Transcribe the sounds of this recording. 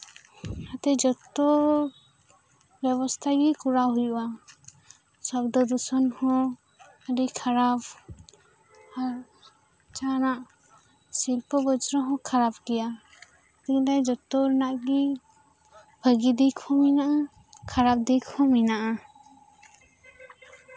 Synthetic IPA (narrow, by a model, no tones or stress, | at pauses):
at̪ɛd͡ʒɔt̪ːɔ | bjɛbɔst̪ʰaɡikuɾaɦujuwa | sɔbd̪ɔd̪usɔnhɔ̃ | əɾikʰaɾab | a | t͡ʃanaʔ | silpɔbɔd͡ʒɾɔɦɔ̃kʰaɾabɡɛja | t̪ilajd͡ʒɔt̪ːɔɾnaʔɡi | bʱəɡid̪ikʰɔ̃minaʔa | kʰaɾap̚d̪ikʰɔ̃minaʔa